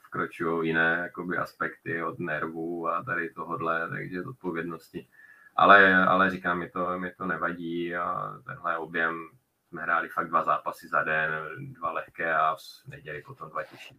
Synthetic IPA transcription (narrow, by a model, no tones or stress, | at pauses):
fkɾot͡ʃujowjɪnɛːjakobɪʔa̰spɛkt̪ɪod̪nɛɾvuat̪adɪt̪oɦodlɛt̪a̰ɡʒɛzot̪̚povjɛdnoscɪʔa̰lɛa̰lɛɾikaːmːɪt̪omɪt̪onɛvaɟiːa̰t̪ɛ̰nɦlɛo̞bjɛm | smɛɦɾaːlɪfaɡ̚dvazaːpasɪzadɛndvalɛxkɛːanɛɟɛlɪpot̪omdvacɛʃi̥